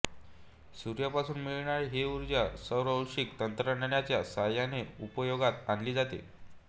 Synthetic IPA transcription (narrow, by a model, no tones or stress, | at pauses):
suɾjapasuːnmiɭɳaɾeɦeuɾd͡ʑjasəwɾəlɕikt̪ənt̪ɾəɳaɳjat͡ɕjasajaneupəjoɡat̪anliːd͡zat̪ḛ